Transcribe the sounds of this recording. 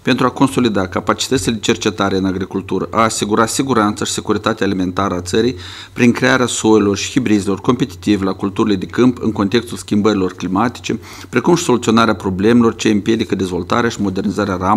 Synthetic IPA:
pe̞nt̪ɾuako̞nso̞lid̪akapat͡ʃi̥t̪ət̪ʲile̞d̪et͡ʃe̞rt͡ʃe̞t̪aɾe̞ɨnaɡɾikult̪uɾəʔaːsiɡuɾat̪siɡuɾant̪saʃi̥sekuɾit̪at̪eaːlime̞nt̪aɾəat̪səɾij | pɾinŋkɾe̞aɾeaso̞elo̞rʃi̥hibɾizelo̞rko̞mpe̞t̪i̥t̪ivelakult̪uɾile̞d̪e̞kɨmpɨ̰ŋko̞nt̪e̞kst̪ulskʲimbəɾilo̞rklimat̪i̥t͡ʃe̞ | pɾe̞kumʃi̥so̞lut̪sio̞naɾeapɾo̞ble̞me̞lo̞rt͡ʃeɨmpije̞d̪ikəd̪ezvo̞lt̪a̰ɾeaʃimo̞d̪e̞rnizaɾearam

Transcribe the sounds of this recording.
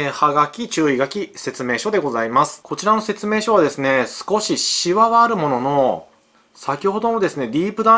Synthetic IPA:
haɡakʲit͡ɕɨːiɡakʲise̞t͡sɨme̞ːɕo̞d̪e̞ɡo̞zaimasɨ̥ko̞t͡ɕiɾano̞se̞t͡sɨme̞ːɕo̞βad̪e̞sɨne̞sɨ̥ko̞ɕiɕiβaβaːɾɯ̟mo̞no̞no̞ | sakʲiho̞d̪o̞nod̪e̞sɨne̞ɾʲiːpɯ̟d̪a

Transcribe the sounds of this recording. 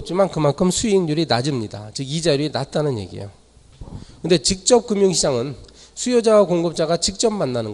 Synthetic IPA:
t͡ɕ͈umankɯmankʰɯmsʰuiŋɲuɾinad͡ʑɯmɲida̰t͡ɕɯɡid͡ʑaɾiinat̚t͈anɯnje̞̰ɡḭjo̰ | kɯnde̞t͡ɕik̚t͡ɕ͈ʌp̚k͈ɯmjuŋɕʰid͡ʑaŋɯn | sʰujod͡ʑawakoŋɡɯp̚t͡ɕ͈aɡat͡ɕik̚t͡ɕ͈ʌmmanːanɯŋ

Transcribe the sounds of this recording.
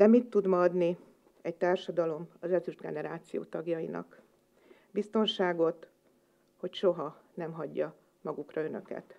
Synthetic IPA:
d̪̥ɛmit̪ːud̪mɒd̪ni | ɛc̚t̪aːrʃɒd̪ɒlo̞mɒzɛlzyʒd̪ɡɛnɛɾaːt̪sijo̰ːt̪ɒɡjɒinɒ̰k | bist̪o̞nʃaːɡo̞t̪ | ho̞cʃo̞ɦɒnɛmɦɒɟːɒ | mɒɡukrɒø̞nø̞̰kɛ̰t̪

